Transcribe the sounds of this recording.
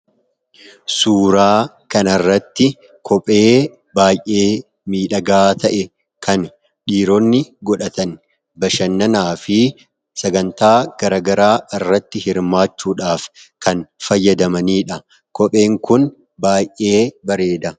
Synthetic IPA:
suːɾaː | kɐnɐrːɐt̪ːɪ | kʰɔpʼe̞ː | baːjʔeː | miːᶑɐɡaːt̪ɐʔɛ | kʰɐn | ɗiːɾɔnːɪɡɔᶑɐt̪ɐn | bɐʃɐnːɐnaːfɪ | sɐɡɐnt̪aːɡ̥ɐɾɐɡɐɾaːɪrːɐt̪ːɪhɪɾmaːt͡ʃːuːᶑaːfkɐnfɐjːɐd̪ɐmɐniːᶑɐ | kɔpʼe̞ːŋkʊn | baːjʔe̞ːbɐɾe̞ːd̪ɐ

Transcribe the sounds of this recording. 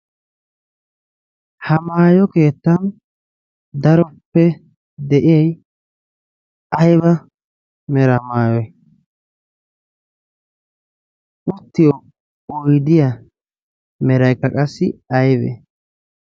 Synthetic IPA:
hɐmaːjɔkeːt̪ːɐn | d̪ɐɾɔpːɛ | d̪ɛʔɪjɛj | ɐjbɐ | mɛɾɐmaːjɔj | ʔʊt̪ːɪjɔ | ɔjd̪ɪjɐ | mɛɾɐjkːɐkʼɐsːɪɐjbɛ̰

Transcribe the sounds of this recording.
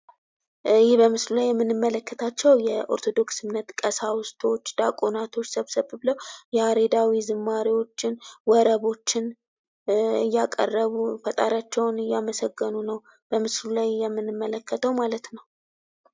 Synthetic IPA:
jɪhbəmɨslulajːɛmːɨnːɨmːələkːət̪ʰat͡ʃːɛwjɛʔo̞̰ɾt̪ʰo̞d̪o̞ksɨmnət̪kʼəsawʊst̪ʰʼo̞t͡ʃːd̪̥akʼonat̪ʰo̞t͡ʃːsəβsəβɨbləwjɛaɾed̪awizɨmːaɾiwo̞t͡ʃːɪnwɔɾəβo̞t͡ʃːɪn | ɨjːakʼə̰rːəβufət̪ʼaɾjat͡ʃːɛwnɨjːaməsəɡːənunəw | b̥əmɨslulajːɛmːɨnːɨmːələkːət̪ʰəwmalət̪nəw

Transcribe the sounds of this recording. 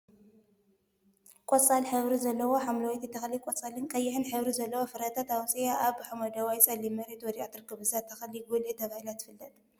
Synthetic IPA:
kʼɔt͡sʼalħɨβɾizɐlːɐwo̞ħamlɐwɔt̪it̪ʰːɐxɐlikʼɔt͡sʼalɨnkʼɐjːɪħɨnħɨβɾizɐlːɐwofɨɾɐt̪ʰat̪awt͡sʼijaʔaβħɨmɐd̪awajt͡sʼɐlimɐɾet̪wɔd̪iʔat̪ɾɨkʰːɨβɨzat̪ʰːɐxɐliɡolet̪ʰɐβahilat̪ːɨfɨlːɐt̪ʼ

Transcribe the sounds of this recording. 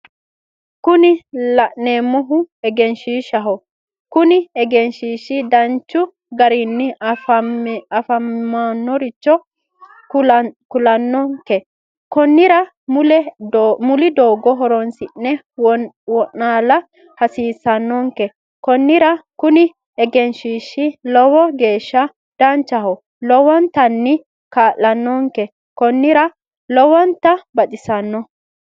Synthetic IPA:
kʊnɪlɐʔneːmːɔɦʊɛɡɛnʃiːʃɐɦɔ | kʊnɪɛɡɛnʃiːʃid̪ɐnt͡ʃːʊ | ɡɐɾinːɪ | ɐfɐmːanːɔɾɪt͡ʃːɔ | kʊlɐnːɔŋkɛ | kɔnːɪɾɐ | mʊlɛmʊlɪd̪oːɡɔɦɔɾɔnsɪnːɛ | wɔʔːaːlɐ | hɐsiːsːɐnːɔŋkɛ | kɔnːɪɾɐkʊnɪ | ɛɡɛnʃiːʃːɪlɔwɔɡe̞ːʃːɐ | d̪̥ɐnt͡ʃːɐhɔ | lɔwɔnt̪ɐnːɪ | kaːʔɐnːɔŋkɛ | kɔnːɪɾɐ | lɔwɔnt̪ɐbɐt̪ʼɪsɐnːɔ

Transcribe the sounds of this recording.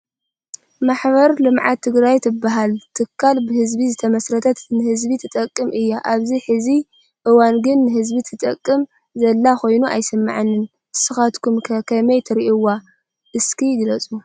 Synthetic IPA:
maħβɐɾlɨmʕat̪ʰːɨɡɾajt̪ʰɨbːaɦalt̪ʰɨkʰːalbɨhɨzbizɨt̪ʰɐmɐsɾɐt̪ʰɐt̪nɨhɨzbit̪ʰɨt̪ʼɐkʼːɨmʔɨjːaʔaβziħɨzi | ʔɨwanɡɨnːɨɦɨzbit̪ʰɨt̪ʼɐkʼːɨm | zɐlːaxo̞jnuʔa̰jsɨmːa̰ʕanːɨn | sɨxat̪kʰumkʰɐkʰɐmɐjt̪ʰɐɾiʔiwa | ʔɨskʰiɡɨlɐt͡sʼu

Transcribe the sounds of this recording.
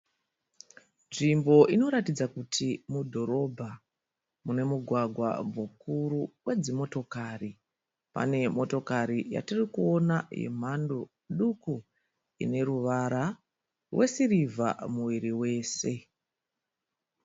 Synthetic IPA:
nʐimbo̞ʔino̞ɾatid͡zakutʰimudʱo̞ɾo̞bʱa | mune̞muɡʱwaɡʱwa̰mukuɾuwʔe̞d͡zimo̞to̞kari | pa̰ne̞mo̞to̞kaɾija̰tirikuo̞najḛm̤ando | ɗuku | ḭne̞ɾuʋaɾa | rwʔesirivʱa̰muʋiɾiwe̞ːse̞

